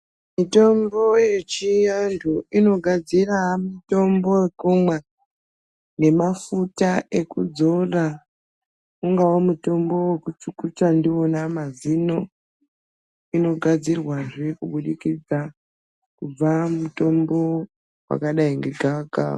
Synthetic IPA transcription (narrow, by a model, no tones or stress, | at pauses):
mito̞mbo̞je̞t͡ʃijandʱuino̞ɡʱad͡ziramito̞mbowekumwe | ne̞mafutae̞kṵd͡zo̞ra | uŋɡawomuto̞mbo̞wekut͡ʃukut͡ʃandio̞namazino̞ | ino̞ɡʱad͡zirwaʐkuɓuɗikid͡za | kub͡vamuto̞mbo̞ | wa̰kaɗaiŋɡeɡʱaɡʱa̰